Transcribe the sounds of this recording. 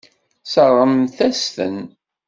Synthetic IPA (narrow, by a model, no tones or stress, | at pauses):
səʁˤːəmθæst̪ə̰n